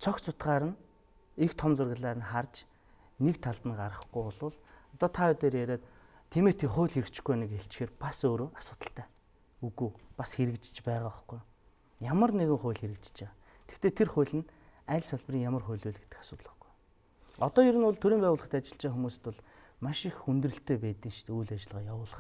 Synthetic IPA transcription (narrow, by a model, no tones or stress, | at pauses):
t͡sʰɔkt͡sʰʊt̪ɢaːɾə̆n | ixt̪ʰɔmt͡sʊrɣə̆ɮaːɾə̆nχart͡ɕ | nekt̪ʰaɮt̪ə̆nɢaɾə̆χɡujʊɮʊːɮɔt̪ɔːt̪ʰaʊt̪eːɾeɾeːt̪ | t̪ʰːemeːt̪ʰiːχʊːɮxeɾɘ̆kt͡ɕɪ̆ɡujanɪ̆keɬt͡ɕxeːrpasoːɾoːʔasʊːt̪ə̆ɬt̪æː | uɣuːpasxeɾɘ̆kt͡ɕt͡ɕpæːʁaːχɡuj | jamə̆rneɣɘ̆ŋχʊːɮxeɾɘ̆k̚t͡ɕt͡ɕe | t̪ʰe̥xt̪eːt̪ʰerχʊjɮɘ̆n | æːɮsaɮprʲiːŋjamə̆rχʊ̟jɮuːɮɡe̥t̪ɘ̥̆xḁsʊːt̪ɮə̆χɡu̥j | ɔt̪ɔːjiɾɘ̆nʊɮt̪ʰɵɾiːmpæːwʊːɮʁə̆χt̪at͡ɕɪ̆ɬt͡ɕeːxumuːst̪ʰʊɮ | maʃɪxunt̪rɘ̆ɬt̪ʰeːpæːt̪iːŋʃt̪ːujɮat͡ɕɪ̆ɮʁaːjawʊːɮə̆χ̆